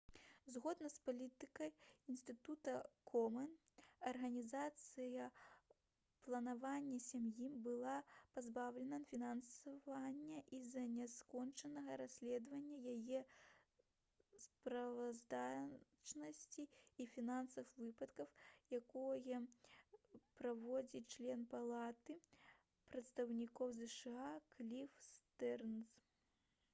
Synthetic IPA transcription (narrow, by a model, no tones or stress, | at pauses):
zɣɔd̪nɐspalʲit̪ɨkɐjinst̪ɨt̪ut̪ɐkʰɔmɐn | ɐrɣɐnʲizat̪sɨjɐ | plˠɐnavanʲːɐsʲamjibɨlˠapazbawlʲɛnɐnfʲinansavanʲːɐʔizɐnʲɛskɔnt͡ʂɐnɐɣɐɾasʲlʲɛd̪vɐnʲːɐjajɛ | spɾɐvazd̪a | t͡ʂnɐsʲt͡sʲiifʲinansɐwvɨpɐt̪kɐwjakɔjɐ | pɾavɔd͡zʲit͡ʂlʲɛnpalˠat̪ɨ | pɾɐt̪st̪ɐwnʲikɔwzɛʂɨaklʲifst̪ɛrns